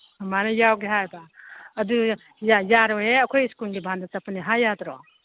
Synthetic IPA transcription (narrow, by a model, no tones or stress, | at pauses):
manejawɡiɦajbaɐd̪u | jajaɾɔɦeɐkʰɔjskulɡibʱand̪asɐpniɦajat̪ɾɔ